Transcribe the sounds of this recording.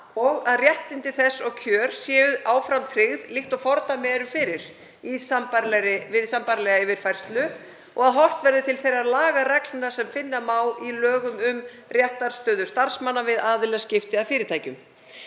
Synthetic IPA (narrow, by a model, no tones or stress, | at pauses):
ɔɣaðrjɛht̪ɪnt̪ɪθɛsːɔɣcʰœːɾ̥sjɛːʏðʔaːwfɾant̪ʰɾɪɣðlɪxt̪ɔɣfɔɾt̪amɛːɾʏfɪɾɪɾ̥ | isampaɾlɛɾɪvɪðsampaɾlɛɣaivɪɾ̥fajr̥st̪lʏ | ʔɔɣaðɦɔl̥t̪vɛɾðʏt̪ʰɪlθejɾaðlaːɣarɛklnasɛmfɪnːamaːwilœːɣʏmʏm | rjɛht̪aɾ̥st̪œːðʏ̥st̪aɾ̥smanːavɪðaːðʏlɛscɪft̪ɪafɪːɾɪt̪ʰaːjcʏm